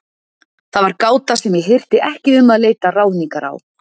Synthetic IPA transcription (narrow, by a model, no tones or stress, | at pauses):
θaðvaɾkaːwt̪asɛmjɪɦɪr̥t̪ɪʔɛhcɪʏmːaðleːjt̪arawðniŋkaɾa̰w